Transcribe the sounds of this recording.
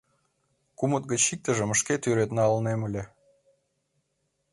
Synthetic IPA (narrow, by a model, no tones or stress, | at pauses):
kumət̪̚ɡət͡ɕik̚t̪əʒə̆məʃket̪yɾet̪nɑɑlneməlʲe